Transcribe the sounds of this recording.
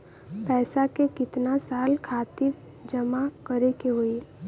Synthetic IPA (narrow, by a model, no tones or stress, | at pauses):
pɛːsakekɪt̪nasaːlkʰaːt̪ɪɾ | d͡ʒəmakəɾekeɦoi